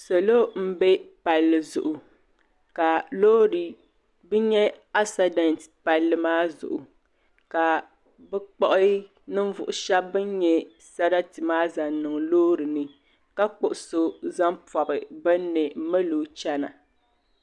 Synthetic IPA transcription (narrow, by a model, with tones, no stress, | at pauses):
so˨lo˦m̩˦bɛ˦pa˨lːɨ˨zʊ̰˨ʔʊ˨ | ka˨loː˦ɾi˨ | bɨ˦ɲɛ˦a˦sa˨dɛ˨ntpa˨lːɨ˨maː˦zʊ̰˨ʔʊ˨ | ka˨ | bɛ˦k͡pɔ˦ʔɨ˦ | nɨ˦ɱ˦vʊ̰˨ʔʊ˨ʃɛ˦bbɨ˦nɲɛ˦ | sa˦ɾa˦tɨ˨maː˦za˨nɨ˨ŋ˨loː˦ɾɨ˨nɨ˨ | ka˦k͡pʊ˨ʔʊ˨so˦za˦mpɔ˨bɨ˨bɛ˦nːɨ˨m̩˦mɛ˦loː˨t͡ʃɛ˦na̰˨